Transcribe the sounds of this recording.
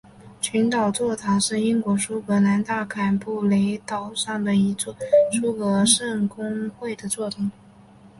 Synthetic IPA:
t͡ɕʰy˧˥nt̪ɑ˨˩ʊt͡swɔ˥˩t̪ʰa˧˥ʂɻ̩˥˩i˥nkwɔ˧˥ʂu˥kɤ˧˥na˧˥nt̪a˥˩kʰa˨˩npu˥˩le˧˥ɪt̪ɑ˨˩ʊʂɑ˥˩ŋd̪ə˩i˧˥t͡swɔ˥˩ʂu˥kɤ˧˥ʂɤ˥˩ŋkʊ˥ŋxwe˥˩ɪd̪ə˩t͡swɔ˥˩ʈ͡ʂʊ˨˩˦ŋ

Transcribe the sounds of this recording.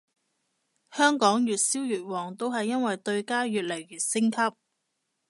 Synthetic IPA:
hœː˥ŋkɔː˨˥ŋjyː˨t̚siː˥wjyː˨˩t̚wɔː˨˩ŋt̪o˥wɦɐ˨jːɐ˥nwɐ˨jt̪ɵ˧ɥkaː˥jyː˨t̚lɐ˨˩jːyː˨t̚sɪ˥ŋkʰɐ˥p̚

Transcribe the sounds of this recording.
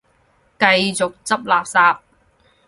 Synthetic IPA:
kɐ˧jt͡sʊ˨k̚t͡sɐ˥p̚laː˨p̚saː˧p̚

